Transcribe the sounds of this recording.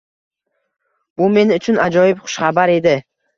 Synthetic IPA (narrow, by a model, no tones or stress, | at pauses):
b̥ʊme̞nʊt͡ʃʰʊnad͡ʒɒjɪpχʊ̥ʃχabaɾe̞d̪ɪ